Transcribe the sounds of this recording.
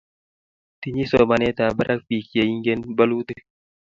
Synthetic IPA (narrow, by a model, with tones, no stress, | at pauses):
t̪i˦ɲi˦sɔ˨ma˨nɛ˦t̪a˨ba˦ɾʔa˦k̚pi˨ki˨e˨i˦ŋɡe˦nba˦lu˦t̪ɨ˦